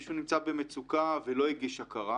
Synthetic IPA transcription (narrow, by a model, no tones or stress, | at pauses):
ʃunimt͡sabemet͡sukavelo̞iɡiʃakaʁa